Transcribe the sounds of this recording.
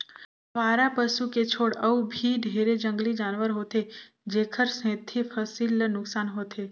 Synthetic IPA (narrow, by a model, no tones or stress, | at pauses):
ʋaːɾapəʃuket͡ʃʰoːɽəubʱiɖʱeɾed͡ʒəŋɡlid͡ʒanʋəɾɦot̪ʰe | d͡ʒekʰəɾsɛ̃t̪ʰifʰəsilnʊksanɦot̪ʰe